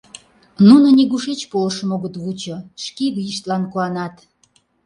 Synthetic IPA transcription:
nunonʲiɣuʃet͡ɕpolʃə̆moɣot̪βut͡ɕŏʃkiβijiʃt̪lɑnkuɑnɑt̪

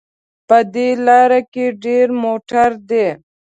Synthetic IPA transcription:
pəd̪elɑːɾakeɖeɾmoʈəɾd̪e

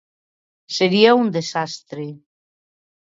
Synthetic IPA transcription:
seɾiaund̪esast̪ɾe

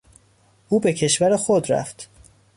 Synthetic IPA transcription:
ʔuːbe̞cʰe̞ʃvæɾexod̪ɾæ̰ft̪

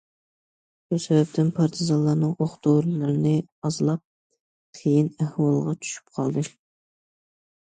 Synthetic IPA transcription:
busɛvɛp̚t̪ʰɪnpʰɑɾt̪ʰɨzɑlˠɑːnɨŋʔoχt̪oɾlˠɨɾɨnɨɑzɨlˠɑp̚ | qʰejinæhwɑlˠʁɑt͡ʃʰy̥ʃy̥p̚qʰɑ̰lˠd̪ɨ

